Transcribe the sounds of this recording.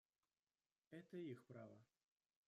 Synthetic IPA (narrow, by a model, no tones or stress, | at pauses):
ɛt̪ɐjixpɾavɐ̰